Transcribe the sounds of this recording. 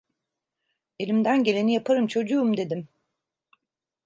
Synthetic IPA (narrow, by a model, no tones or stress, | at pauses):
e̞lʲimd̪ænɟe̞lʲe̞nijapʰaɾɯmt͡ʃʰo̞d͡ʒuːmd̪e̞d̪im